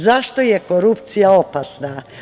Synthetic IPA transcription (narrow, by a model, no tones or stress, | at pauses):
zaʃt̪ojeko̞ɾupt̪sijaopasna